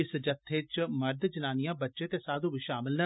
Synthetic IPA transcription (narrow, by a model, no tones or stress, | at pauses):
ɪsd͡ʒət̪ʰːeːt͡ʃməɾd̪d͡ʒənaːnijãːbətːʃẽːt̪eːsaːd̪ũːbiʃaːmɪln